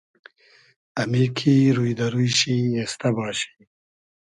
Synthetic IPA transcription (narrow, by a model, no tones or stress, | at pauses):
ɐmikʰiɾujd̪ɐɾujɕiest̪abɑːɕi̥